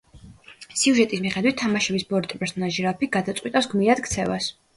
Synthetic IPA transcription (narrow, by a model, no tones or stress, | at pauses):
siuʒɛt̪ʼismiχɛd̪wit̪ʰːamaʃɛbisbɔɾt̪ʼipʼɛɾsɔnaʒiɾapiɡad̪at̪sʼqʼwit̪ʼawsɡmiɾad̪̥kʰt̪sʰɛva̰s